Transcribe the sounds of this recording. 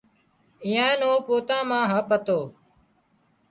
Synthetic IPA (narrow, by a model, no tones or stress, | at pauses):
iːãːnoːpoːt̪ãːmãːɦãːpət̪oː